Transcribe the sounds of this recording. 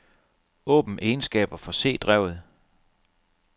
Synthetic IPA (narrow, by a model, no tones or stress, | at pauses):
ɔ̰̽ːb̥n̩ʔe̝ːnsɡ̥ɛ̰ːb̥ɐfɒ̽se̝̰ːd̥ʁɛʊ̰ð̞̩ˠ